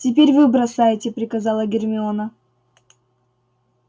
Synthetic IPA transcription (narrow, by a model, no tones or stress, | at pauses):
tʲɪp̬ʲeɾʲvɨbɾɐsajɪtʲɪpɾʲɪkɐzɑlˠəɡʲɪrmʲɪonə